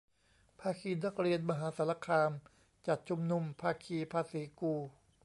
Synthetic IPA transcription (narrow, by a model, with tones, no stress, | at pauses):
pʰaː˧kʰiː˧na˦˥k̚ɾi˧ənma˧ɦaː˩˦sa˨˧˦la˧kʰaː˧m | t͡ɕa˨˩t̪̚t͡ɕʰu˧mnu˧mpʰaː˧kʰiː˧pʰaː˧siː˩˦kuː˧